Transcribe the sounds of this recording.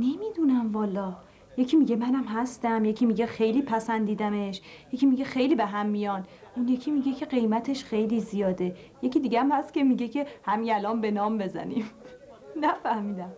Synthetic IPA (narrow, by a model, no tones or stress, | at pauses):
ne̞miːd̪unæmvɒːlɒː | je̞cʲʰiːmiɟemænæmhæst̪æmje̞cʰiːmiɟe̞xe̞jliːpʰæsænd̪iːd̪æme̞ʃjecʰʲiːmiɟe̞xe̞jliːbeɦæmːijɒn | ʔunje̞cʰiːmiɟe̞cʰe̞ɢe̞jmæt̪ʰe̞ʃxe̞jliːzijɒːd̪ejeciːd̪iɟeæmhæst̪̚ce̞miɟecʰe̞hæmijælɒːmbe̞nɒːmbe̞zæ̰nim | næfæhmiːd̪æm